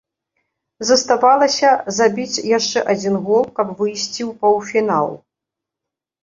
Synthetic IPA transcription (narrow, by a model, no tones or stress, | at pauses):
zɐst̪avalˠɐsʲɐzabʲit͡sʲjaʂt͡ʂɛʔad͡zʲinɣɔlˠkɐbvɨjsʲt͡sʲiwpɐwfʲina̰lˠ